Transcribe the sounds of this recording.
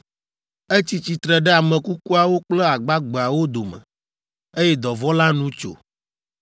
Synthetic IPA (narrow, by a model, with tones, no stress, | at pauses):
e˦t͡ɕi˦t͡ɕi˨t̪ɾɛ˨ɖɛ˦a˨mɛ̃˨ku˦ku˦a˨wo˦k͡plɛ˦a˨ɡ͡ba˦ɡ͡be˨a˨wo˦d̪o˨mɛ̰̃˨ | e˦jɛ˦d̪ɔ˨vɔ˦la˦nũ˦t͡ʃo̰˨